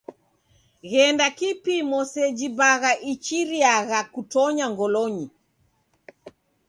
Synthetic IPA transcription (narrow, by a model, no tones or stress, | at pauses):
ɣɛndakipimɔsɛd͡ʒibaɣaʔit͡ʃiɾiaɣakutɔɲaŋɡɔlɔɲi